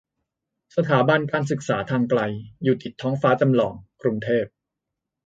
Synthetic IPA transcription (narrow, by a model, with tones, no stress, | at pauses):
sa˧t̪ʰaː˩˦ba˧nkaː˧ns̬ɯ˨˩k̚saː˩˦t̪ʰaː˧ŋkla˧jjuː˨˩t̪i˨˩t̪ʰːɔː˦˥ŋfaː˦˥t͡ɕa˧mlɔː˩ŋkɾu˧ŋt̪ʰeː˥˩p̚